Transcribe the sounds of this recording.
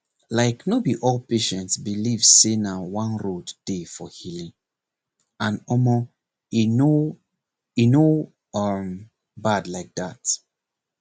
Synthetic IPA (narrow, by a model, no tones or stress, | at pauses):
laɪknobiʔɔlpeʃɛ̃ntsbilivsenawãnɹodd̥efɔhilĩŋ | ãnɔmɔ | ino | ino | m | badlaɪk̚dat